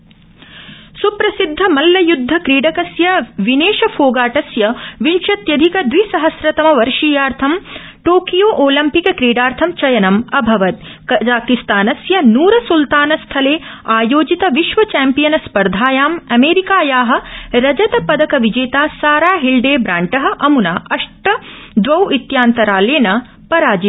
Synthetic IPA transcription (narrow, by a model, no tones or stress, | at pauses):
supɾɐsid̪ʱːɐmɐlːɐjud̪ʱːɐkɾiːɖɐkɐsjɐʋineːʃɐfʰoːɡaːʈɐsjɐʋinʃɐt̪jɐd̪ʱikɐd̪ʋisɐɦɐsɾɐt̪ɐmɐʋɐɾʂiːjaːɾt̪ʰɐm | ʈoːkijoːʔoːlɐmpikɐkɾiːɖaːɾt̪ʰɐmt͡ʃɐjɐnɐmɐbʱɐʋɐt̪̚kɐd͡ʒaːkist̪aːnɐsjɐnuːɾɐsult̪aːnɐst̪ʰɐleːaːjoːd͡ʒit̪ɐʋiʃʋɐt͡ʃɛːmpijɐnɐspɐɾd̪ʱaːjaːmɐmeːɾikaːjaːɦɐ̆ɾɐd͡ʒɐt̪ɐpɐd̪ɐkɐʋid͡ʒeːt̪aːsaːɾaːɦilɖeːbɾaːɳʈɐɦɐ̆ʔɐmunaːʔɐʂʈɐd̪ʋɐwit̪jaːnt̪ɐɾaːleːnɐ | pɐɾaːd͡ʒi